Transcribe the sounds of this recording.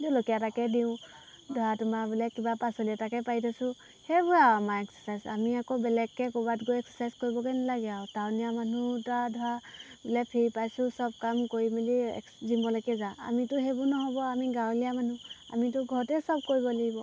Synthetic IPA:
dlokijatakɛdiʊ̃ | dʱɔatumabilɛkibapasɔliatakɛpajtʰasʊ̃ | hɛbuamaɛksɛ̥sajzamiakɔbɛlɛkːɛkɔbatɡojɛksɔsajzkoɹibɔkɛnalaɡɛatawnijamanutadʱɔabilɛpʰiɹipajsũsɔb̚kamkoɹimiliɛ̰ | zimbɔlɔjkɛzaa̰mitʊɦebunɔɦɔbɔamiɡãw̃lijamanua̰mitʊɡʱɔtɛsɔb̚koɹibɔleɡibɔ

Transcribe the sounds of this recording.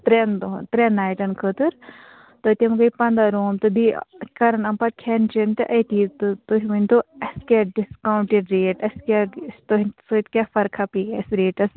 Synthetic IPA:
t̪ɾend̪ot̪ɾenːaːjʈɐnkʰət̪ɨɾ | t̪ot̪ʲemɡɐipɐnd̪aɾoːmt̪ɨb̪ḭkɐɾɐnɐmpɐʈ̚kʰɛnt͡ʃint̪ɨʔɐt̪it̪ɨt̪oɦiʋɨnʲt̪oɐskʲaɖiskaːwɳʈiɖɾeːʈɐskʲast̪oɦisoit̪kʲaːfɐɾkʰapikɐsɾeːʈɐs

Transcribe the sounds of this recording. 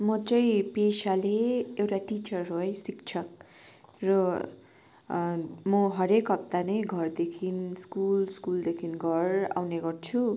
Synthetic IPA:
mʌt͡sʌĩpesaleewʈaʈit͡sʌrɦojsikt͡sʰʌk | rʌ | mʌɦʌɾekɦʌp̚t̪anʌjɡʱʌrd̪ekʰinskulskuld̪ekʰinɡʱʌra̰wneɡʌrt͡sʰu

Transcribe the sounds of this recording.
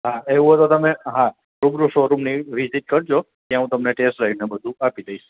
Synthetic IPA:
ɦaeʋũɦət̪ot̪əmeɦã | ɾubɾuʃoɾumniʋiziʈ̚kəɾd͡ʒo | t̪jãɦũt̪əmneʈesʈɾainebəd̪ʱũapid̪əiʃ

